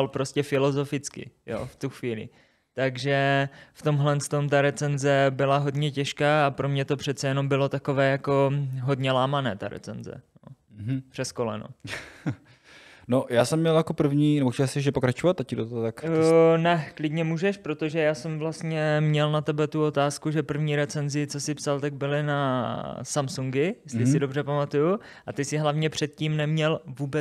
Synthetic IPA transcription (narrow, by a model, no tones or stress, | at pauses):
alpɾo̞scɛfɪlo̞zo̞fɪt͡skɪ̰jo̰ft̪uxviːlɪ̰ | t̪aɡʒɛft̪o̞mɦlɛnst̪o̞mt̪̬aɾɛt͡sɛnzɛbɪlaɦo̞dɲɛcɛʃkaːapɾo̞mɲɛt̪o̞pr̝̥ɛt̪t͡sɛjɛno̞mbɪlo̞t̪ako̞vɛːjako̞ɦo̞dɲɛlaːmanɛːt̪aɾɛ̰t͡sɛ̰nzɛ̰no | pr̥ɛsko̞lɛ̰no̰ | nojaːsɛmːɲɛljakopr̩vɲiːnɛboxɛasɪʒɛpokɾat͡ʃovat̪ːacːɪdot̪ot̪aknɛklɪdɲɛmuːʒɛʃpɾo̞t̪o̞ʒɛjaːsɛmvlast̪ɲɛmɲɛlnat̪ɛbɛt̪uo̞t̪aːskuʒɛpr̩vɲiːɾɛt͡sɛnzɪt͡so̞sɪpsalt̪aɡ̚bɪlɪnasamsuŋɡɪjɛst̪lɪsɪdo̞brɛpamat̪uju | ʔat̪ɪsɪɦlavɲɛpr̥ɛt̪̚ciːmnɛmɲɛlvuːbɛ